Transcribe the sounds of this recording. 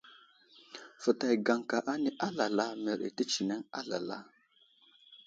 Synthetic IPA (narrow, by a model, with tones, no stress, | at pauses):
fə˨ta˨jɡa˨ŋka˨ʔa˦ni˦ʔa˦la˨la˦me˨ɾḛ˨tə˦t͡ʃi˨ne˦ŋa̰˦la̰˨la̰˦